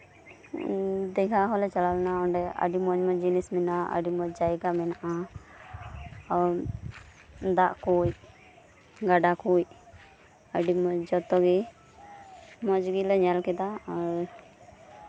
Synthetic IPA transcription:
d̪ɛkʰaɦɔlɛt͡ʃalalnaɔɳɖɛa̰ɖimɔɲmɔd͡ʒinɛsmɛnaə̰ɖimɔd͡ʒajɡamɛnaʔa | ɔɾ | d̪aʔkuj | ɡaɖakuj | əɖimɔd͡ʒɔt̪ɔɡɛ | mɔd͡ʒɡilɔɲalkɛd̪aɔɾ

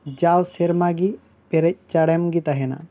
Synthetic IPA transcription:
d͡ʒawseɾmaɡi | peɾɛc̚t͡ʃaɽemɡit̪ɐɦɛna̰

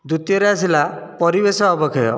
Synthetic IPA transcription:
d̪ut̪ijɔɾeasilapɔɾibesɔːbɔkʰɔjɔ̰

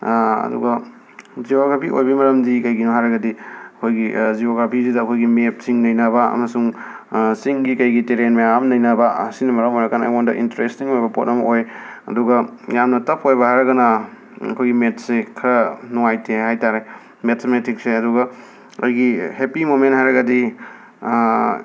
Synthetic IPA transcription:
ɐ̰dṵɡɐ | d͡ʒioɡɾapʰiʔo̰jbimɐɾɐmdikɐjɡinoɦaɾɐɡɐdiɐkʰojɡizioɡɾapʰizidɐːkʰojɡimep̚siŋnɐjnɐbɐɐ̰mɐsuŋ | siŋɡikɐjɡiteɾenmɐjamnɐjnɐbɐsinɐmɐɾɐmojɾɐkana̰ondɐʔḭntɾestiŋojbɐpot̚nɐmɐojɐ̰duɡɐjamnɐtɐpʰojbɐhaɾɐɡɐnɐ | ɐ̰kʰojɡimet̚ʰsekʰɐɾɐnuŋajtʰeɦajtaɾe | metʰmetʰik̚seɐduɡɐ | o̰jɡihepimoment̚hajɾɐɡɐdi

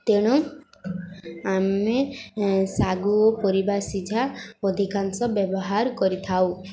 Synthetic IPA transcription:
t̪eɽ̃u | ame | saɡuɔpɔɾibasid͡ʒʱaɔd̪ʱikansɔbjɔbɔɦaɾkɔɾit̪ʰaw

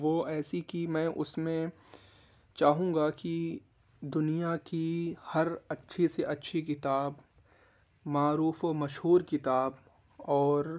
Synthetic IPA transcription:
ʋoɛːsikimɛ̃ːʔʊsmẽ | t͡ʃaːɦũːɡaki | d̪ʊnijakihɐɾɐtːʃʰeseʔɐtːʃʰikɪt̪aːb | maːɾuːfoːmɐʃɦuːɾkɪt̪aːb | ɔːɾ

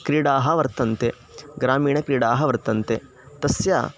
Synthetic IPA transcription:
kɾiːɽaːɦɐʋɐɾt̪ɐnt̪e | ɡɾaːmiːɳɐkɾiːɽaːɦɐʋɐɾt̪ɐnt̪e | t̪ɐsja̰ː

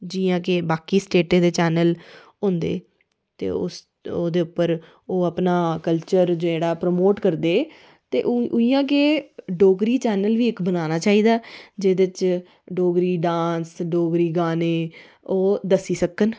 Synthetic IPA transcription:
d͡ʒiːãːk̬ebaːkiːsʈeːʈẽːd̪eːt͡ʃɛːnəl | ɦʊ̃ːnd̪ḛː | t̪ḛːʊ̰s | oːd̪eːʊpːəɾ | oːəpnaːkəlt͡ʃəɾd͡ʒoeːɽaːpɾəmoːʈkəɾd̪eː | t̪eːʔʔʊijãːk̬eːɖoːɡɾiːt͡ʃɛːnəlʋiːɪkbənaːnaːt͡ʃaːiːd̪aːd͡ʒeːd̪ɪt͡ʃ | ɖoːɡɾiːɖãːnsɖoːɡɾiːɡaːneː | oːd̪əsiːsəkːən

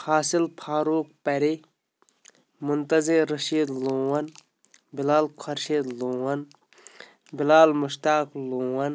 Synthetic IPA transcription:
hʰaːsilpʰaːɾuːk̚pɐɾi | mʊnt̪ɐziɾɐʃiːd̪lõːwɐn | bɪlaːlkʰɐɾʃiːd̪lõːwɐn | bɪlaːlmuʃt̪aːklõːwɐn

